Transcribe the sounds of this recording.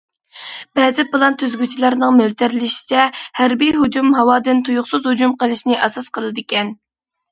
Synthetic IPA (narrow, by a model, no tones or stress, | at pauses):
b̥ɛːzɪpɨlˠɑnt̪ʰyzɡʲyt͡ʃʰilˠɑɾnɨŋmølt̪ʰæɾlɪʃi̥t͡ʃʰɛhæɾbijɦud͡ʒumɦɑwɑːd̪ɨnt̪ʰujʊχsɨzhud͡ʒumqəlˠɨʃnɪʔɛsɑsqʰəlˠɨd̪ɨkʲɛn